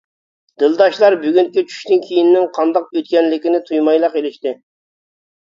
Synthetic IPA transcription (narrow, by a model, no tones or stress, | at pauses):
d̪̥ɨlˠd̪ɑʃlˠɑɾbyɡʲyŋkʲit͡ʃʰy̥ʃt̪ɪnkʲʰijinːɪŋqʰɑnd̪ɑq̚øt̪̚kʲɛnlɪkʲɪnɪt̪ʰujmɑjlˠəqelɪʃt̪ɪ